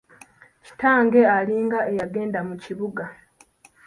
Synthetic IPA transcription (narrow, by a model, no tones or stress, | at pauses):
ci̥taːŋɡe̞aliːŋɡaʔe̞jaɡe̞ːndamuciβuɡa